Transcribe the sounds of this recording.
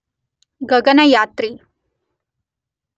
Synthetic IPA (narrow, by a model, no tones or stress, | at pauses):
ɡɐɡɐnɐjaːt̪ɾi